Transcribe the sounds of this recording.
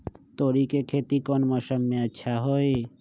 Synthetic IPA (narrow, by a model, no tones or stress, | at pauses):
t̪oɾikekʰet̪ikonmɔʃomːeaʃʰaɦoe